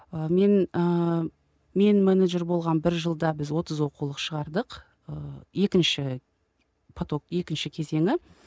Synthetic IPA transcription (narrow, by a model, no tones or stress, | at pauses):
əme̞nə | me̞nmeneʒe̞ɾbo̞lˠʁɑnbɪɾʒəlˠd̪ɑbɪzwo̞t̪əzwo̞qulˠəqʃəʁɑɾd̪əq | əje̞kʲɪnʃɪ | pʰot̪okje̞kʲɪnʃɪkʲʰe̞ze̞ŋʲɪ